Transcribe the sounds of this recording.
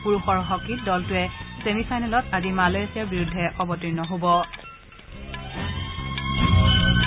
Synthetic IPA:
puɹupɔɹɦɔkit̚dɔltʊɛsemisajnɛlɔtazimalejasiaɹbiɹudʱːɛʔɔbɔtiɹnɔɦobɔ

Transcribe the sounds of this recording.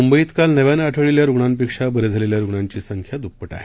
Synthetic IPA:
umbəit̪kalnəʋjaneaʈʰəɭeljaɾuɡɳanp̬ikʂabəɾəd͡zʱaleljaɾuɡɳaɲt͡ɕiːsəŋkʰjad̪upːəʈa̰ɦe

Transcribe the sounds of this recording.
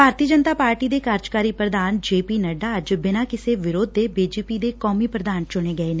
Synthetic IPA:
bʱaːɾt̪iəd͡ʒənt̪aːpaːɾʈiːd̪eːkaːɾd͡ʒkaːɾiːpɾəd̪aːnd͡ʒeːpiːnəɖaːəd͡ʒbɪnaːkɪseʋɪɾoːd̪̚ːeːbiːd͡ʒeːpiːd̪eːkɔːmiːpɾəd̪aːnt͡ʃʊɽ̃eːɡəeːnẽː

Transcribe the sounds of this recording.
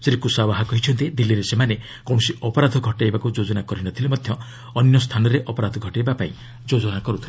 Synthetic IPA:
sɾikusabaɦakɔɦit͡ʃʰɔnt̪id̪ilːiɾesemane | kɔwɽ̃ɔsiɔpɔɾad̪ʱɔɡʱɔʈajbakud͡ʒod͡ʒɔnakɔɾinɔt̪ʰilemɔd̪ʱjɔː | njɔst̪ʰanɔɾeʔɔpɔɾad̪ʱɔɡʱɔʈajbapaĩ | d͡ʒod͡ʒɔnakɔɾut̪ʰile

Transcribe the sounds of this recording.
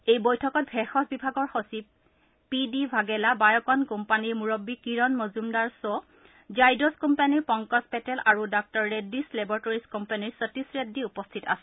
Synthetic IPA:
ejbojtʰɔkɔt̚bʱɛxɔsbibʱaɡɔɹxosip̚ | pidibʱaɡɛlabajɔkɔnkumpaniɹmuɹɔbːikiɹɔnmozumdaɹsɔ | zajdoskumpaniɹpɔŋkɔspɛtɛlaɹudɔk̚tɔɹːedislɛbɔɹtɔɹiskɔmpaniɹsətisɹedːiupɔstʰita̰sɛ

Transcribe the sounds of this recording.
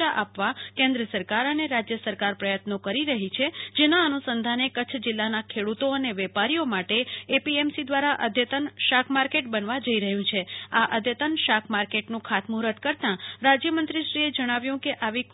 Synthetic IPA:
aʔapʋakɛ̃nd̪ɾəsəɾkaɾəneɾad͡ʒjəsəɾkaɾpɾəjət̪nokəɾiɾəɦit͡ʃʰed͡ʒenãənusənd̪ʱanekəːt͡ʃʰd͡ʒɪlːanakʰeɽut̪oəneʋɛpaɾijomaʈeːpiemsid̪ʋaɾaʔəd̪ʱjət̪ənʃakʰmaɾkeʈbənʋad͡ʒəiɾəɦjũt͡ʃʰeaʔəd̪ʱjət̪ənʃakʰmaɾkeʈnũkʰat̪muɾət̪kəɾt̪ãɾad͡ʒjəmənt̪ɾiʃɾied͡ʒəɽ̃aʋjũkeʔaʋik

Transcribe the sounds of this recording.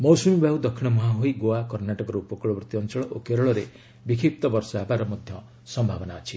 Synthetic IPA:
mɔwsumibaud̪ɔkʰiɽ̃ɔmɔɦaɦoiɡoakɔɾnaʈɔkɔɾɔupɔkuɭɔbɾut̪iɔnt͡ʃɔɭɔʔokeɾɔɭɔɾe | bikʰip̚t̪ɔbɔɾsɔabaɾɔmɔd̪ʱjɔ | sɔmbʱabɔnaɔt͡ʃʰi

